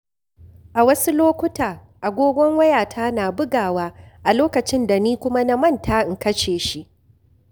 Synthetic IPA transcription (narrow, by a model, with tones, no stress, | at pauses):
ʔa˨wɐ˦su˦loː˦kʷʊ˦taː˨ | ʔa˨ɡʷoː˦ɡʷɔ˦ŋwɐ˦jaː˨tʰaː˦naː˨bʊ˦ɡaː˨waː˦ʔa˨loː˦kɐ˨t͡ʃɪ˦nda˨niː˦kʷʊ˦ma˦na˦mɐ˦˨ntaː˦ʔɪ˨ŋkɐ˦ʃeː˨ʃi˦ʔ